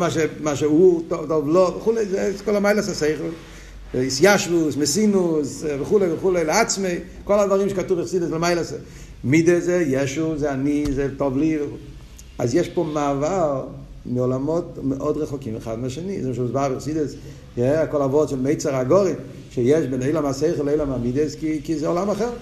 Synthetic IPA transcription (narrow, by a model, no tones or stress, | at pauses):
maʃemaʃeuːtɔtɔvlˠɔvɪχuleɪzeskɔlˠamaɪlˠasaseɪχl̩ˠ | ɪsjaʃvʊsmɪsinʊsvɪχuleɪvɪχuleɪlɪat͡smeɪ | kɔlˠadvaʁiːmʃkatuvɪχsidəslɪmaɪlˠase | midəzejɛʃuzeanizetɔvlivɪ | a̰zjɛʃpomaval | mɪɔlˠamɔtmɪʔɔdʁɛχɔkimvəχadmaʃɛnizɛmʃmɪsbaʁvɪχsidəs | jɛakɔlˠavɔʁtsɪlmeɪt͡saʁaɡɔʁɪm | ʃejɛʃbɛneɪlamaseɪχlˠeɪlamamidəskɪkɪzeɔlamaχɛʁ